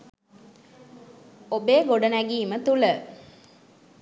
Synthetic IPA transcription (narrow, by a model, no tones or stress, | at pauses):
obeːɡoɖənæɡiːmət̪ulə